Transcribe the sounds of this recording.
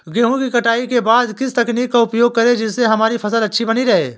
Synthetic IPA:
ɡeːɦũkikɐʈaːikebaːd̪kɪst̪ɐkniːkːaʊpjoːɡ̚kɐɾed͡ʒɪsːeɦɐmaːɾipʰɐsəlɐtːʃʰibɐniɾɐɦḛː

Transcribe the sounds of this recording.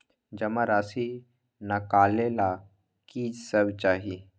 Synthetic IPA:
d͡ʒɐmaɾaːsi | nakaːlela | kisəbt͡ʃaːɦi

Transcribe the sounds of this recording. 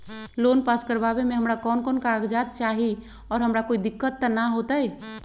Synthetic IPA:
lonpaskəɾbabemẽɦəmɾakɔːnkonkaɡd͡ʒad̪̚t͡ʃaɦi | ɔːɾɦəmɾakoid̪ikːət̪ːənaɦot̪əj

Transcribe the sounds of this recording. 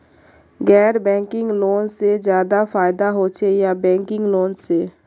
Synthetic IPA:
ɡɛːɾbɛ̃ːŋkɪ̃ŋɡloːnsed͡ʒjaːd̪afaːɪd̪aɦot͡ʃʰejabɛ̃ːŋkɪ̃ŋɡloːnseː

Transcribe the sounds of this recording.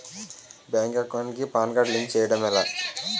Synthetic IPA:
baːŋkakːonikipaːnɡaːɖliŋkt͡ʃɛːjɐɽɐmɛla̰ː

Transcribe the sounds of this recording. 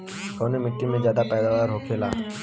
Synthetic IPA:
kɔnemɪʈːimẽd͡ʒjaːd̪apɛjd̪aʋaːɾɦokʰela̰ː

